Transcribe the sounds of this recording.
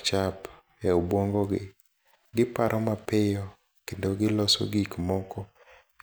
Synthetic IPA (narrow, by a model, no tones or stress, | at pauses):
t͡ʃap | jaobwoŋɡɔɡɪ | ɡɪpaɾʔɔmapɪjɔ | kendoɡɪlɔso̰ɡikmɔkɔ